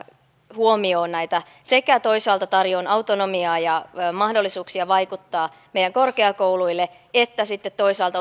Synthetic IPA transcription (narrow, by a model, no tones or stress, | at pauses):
huomio̞ːnnæjt̪æ | se̞kæt̪o̞isɑːlt̪ɑt̪ɑrjo̞nɑwt̪ono̞miɑːjɑmɑhdolːisuːksiɑʋɑjkut̪ːɑː | mejæŋko̞rkeɑko̞wluilːe | et̪ːæsit̪ːet̪t̪ːo̞isɑːlt̪ɑ